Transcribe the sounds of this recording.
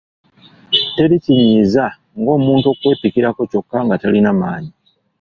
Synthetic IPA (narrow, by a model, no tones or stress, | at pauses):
te̞ɾiciɲiːza | ŋɡo̞ːmuːnto̞ːkwe̞ːpikiɾako̞co̞kːaŋɡatalinamaːɲi